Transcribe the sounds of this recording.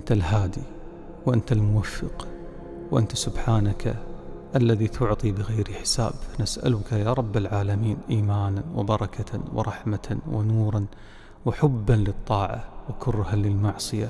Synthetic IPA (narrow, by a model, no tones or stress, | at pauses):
ʔɪnt̪alhaːd̪i | wʔɪnt̪almʊwafːɪq | wʔɪnt̪asʊbħaːnakʰaʔalːaðit̪ʰʊʕt̪ˤibɪɣajɾħɪ̥sa̰ːbfanasʔa̰lʊkajaːɾˤɑbːalʕaːlamiːnʔiːmaːnanwɪ̰bɑɾˤɑkaw̰ɾˤɑħmaawɪ̰nuːɾˤɑn | wħʊbːanlɨt̪ˤːɑːʕa̰wɪkʰʊrˤːhalɪlmɑʕsˤɨja